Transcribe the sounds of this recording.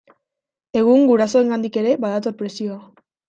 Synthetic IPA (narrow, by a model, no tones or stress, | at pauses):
e̞ɣ̞uŋɡuɾaso̞e̞ŋɡand̪ike̞ɾe̞baðat̪o̞ɾpɾe̞sio̞a